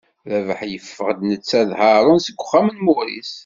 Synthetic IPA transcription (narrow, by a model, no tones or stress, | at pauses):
ɾævəħjəfːəʁd̪nət͡sːæðhɑɾˤʊnsəɡʷːʊχːæmənmʊɾḭs